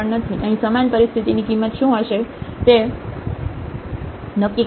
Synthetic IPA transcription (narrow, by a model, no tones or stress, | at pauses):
əɳnət̪ʰiʔəɦĩsəmanpəɾist̪ʰit̪inikimːət̪ʃũəʃet̪e | nəkːi